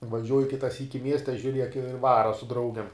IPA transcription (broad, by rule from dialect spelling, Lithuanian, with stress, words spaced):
ʋɐˈʒʲuɔjʊ ˈkʲɪtɐ ˈsʲiːkʲɪ ˈmʲiɛsʲtʲɛ ʒʲʊˈrʲiɛk ɪ ˈʋɑːrɐ sʊ ˈdrɐʊɡʲɛm